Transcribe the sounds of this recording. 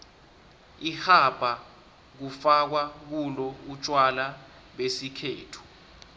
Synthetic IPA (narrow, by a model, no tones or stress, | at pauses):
ihab̥ʱa | k̬ufak̬wak̬ulɔut͡ʃʼwala | ɓesikʰeːtʰu̥